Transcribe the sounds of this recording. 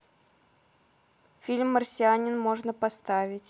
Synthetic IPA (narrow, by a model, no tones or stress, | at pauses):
fʲilʲmːərsʲɪanʲɪnmo̞ʐnəpɐst̪avʲɪtʲ